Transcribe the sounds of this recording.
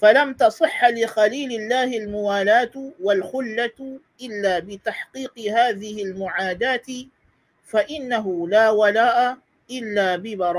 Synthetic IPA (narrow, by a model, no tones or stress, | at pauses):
falamt̪ɑsˤɨħːlɪxaliːlɪlːaːhɪlmʊwaːlaːt̪walxʊlːat̪ʔɪlːaːbɪt̪aħqiːqɨhaːðɪhɪlmʊʕaːd̪aːt̪ɪ | faʔɪnːaɦʊlaːwalaːʔa | ʔɪlːaːbɪbɑɾˤɑː